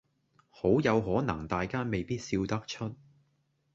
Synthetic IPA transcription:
ho˨˥wjɐ˨˧wɦɔː˨˥nɐ˨˩ŋt̪aː˨jkaː˥me˨jpiː˥t̚siː˧wt̪ɐ˥k̚t͡ʃʰɵ˥t̚

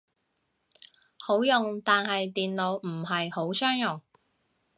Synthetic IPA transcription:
ho˨˥wjʊ˨ŋt̪aː˨nhɐ˨jt̪iː˨nlo˨˧wm̩˨˩ɦɐ˨jho˨˥wsœː˥ŋjʊ˨ŋ

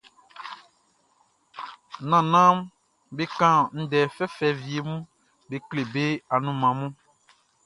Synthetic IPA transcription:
nã˨nã˦m | be˦kã˦n̩˦dɛ˨fɛ˦fɛ˨vi˨e˨mũ˦ | be˨kle˨be˦a˨nũ˦mã˨mũ˦

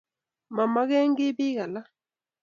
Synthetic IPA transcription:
ma˨ma˦ɣɛ˦ŋɡɪ˦bɪ˦ɣa˨la˦

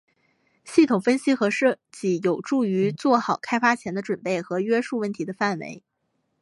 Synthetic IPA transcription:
ɕi˥˩t̪ʰʊ˨˩ŋfə˥nɕi˥xɤ˧˥ʂɤ˥˩t͡ɕi˧˥jo˨˩ʊʈ͡ʂu˥˩y˧˥t͡swɔ˥˩xɑ˨˩ʊkʰa˥ɪfa˥t͡ɕʰjɛ˧˥nd̪ə˧ʈ͡ʂwə˨˩npe˥˩ɪxɤ˧˥ɥɛ˥ʂu˥˧wə˥˩nt̪ʰi˧˥d̪ə˧fa˥˩nwḛ˧˥ɪ

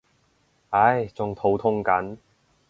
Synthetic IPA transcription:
ɐ˨˧˥jt͡sʊ˨ŋt̪ʰo˨˥wt̪ʰʊ˥ŋkɐ˨˥n

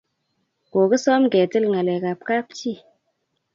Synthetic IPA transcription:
ko˨kə˦sɔ˦mɡe˨ti˦lŋa˨le˨ka˨p̚ka˦pt͡ʃi˦˨

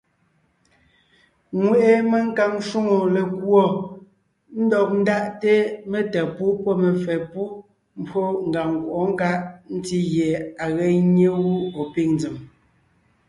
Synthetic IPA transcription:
ŋwe˨ʔe˦me˨ŋ̩˦ka˨ŋʃu˦ŋo˨le˨kwɔ˦˨ | n̩˦dɔ˨k̚n̩˦da˦ʔte˦me˨tɛ˨pu˦pɔ˦me˨fɛ˨pu˦ | m̩˦bo˦ŋ̩˨ɡa˨ŋŋ˨kwʔɔ˨˦ŋ̩˦ka˦ʔn̩˦ti˦ɣje˨a˨ɣɛ˦ɲe˦ɣu˦o˨pi˦ŋnd͡zi˨m

